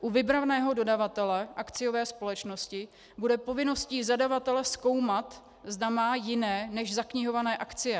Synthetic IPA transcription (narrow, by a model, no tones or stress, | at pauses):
ʔuvɪbɾavnɛːɦo̞do̞davat̪ɛlɛʔakt͡sɪjo̞vɛːspo̞lɛt͡ʃno̞scɪ | budɛpo̞vɪno̞sciːzadavat̪ɛlɛsko̞wmat̪ | zdamaːjɪnɛːnɛʒzakɲɪɦo̞vanɛːʔakt͡sɪjɛ